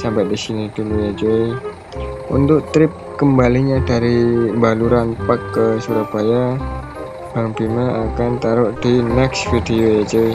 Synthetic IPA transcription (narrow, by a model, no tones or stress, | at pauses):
sambat̪̚disiniduluad͡ʒo | unt̪ʊk̚t̪ɾɪp̚kəmbaliɲadaɾibaluɾanpakːəsuɾapaja | baŋpiməʔakant̪aɾʊʔdinɛksfidioad͡ʒoi